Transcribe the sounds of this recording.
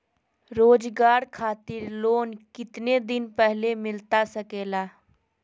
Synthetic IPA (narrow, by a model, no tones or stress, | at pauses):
ɾoːd͡ʒɡaːɾkʰaːt̪ɪɾloːnkɪt̪ned̪ɪnpɛɦlemɪlt̪asɐkeːlaː